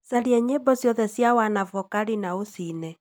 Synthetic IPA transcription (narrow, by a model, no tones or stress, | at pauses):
saɾiɛɲebɔsjɔðɛsjawanavɔkaɾinaosinɛ